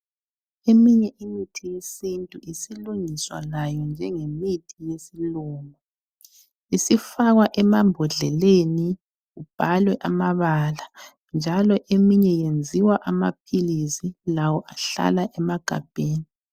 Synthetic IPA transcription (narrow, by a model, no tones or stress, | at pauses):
emiɲɛʔimitʰijesintʼuʔisiluŋiswa̰lajɔnd͡ʒʱɛŋemitʰijesiluːŋɔ | isifaɣwaʔɛmambʱɔɮɛleni | ɣub̥ʱalwɛʔamaβala | nd͡ʒʱalɔʔemiɲɛjend͡zʱiwaʔama̰p̚ʰilisilawɔʔaɬa̰laʔɛmaɡ̥ʱa̰b̥ʱeːni